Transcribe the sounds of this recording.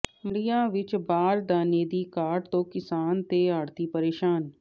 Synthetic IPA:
mɽijãːʋɪt͡ʃbaːɾd̪aːneːd̪ikaːɖt̪õːkɪsaːnt̪eaːɽt̪ipəɾeːʃaːn

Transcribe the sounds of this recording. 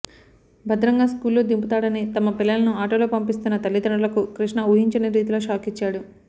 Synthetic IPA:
bʱɐd̪ɾɐŋɡaːskuːlːoːd̪imput̪aːɽɐnit̪ɐmɐpilːɐlɐnuaːʈoːlo̞ːpɐmpist̪unːɐt̪ɐlːid̪ɐɳɐlɐkukɾiʂɳɐuɦiɲt͡ʃɐneɾiːt̪uloːʃaːkit͡ʃːaːɽu

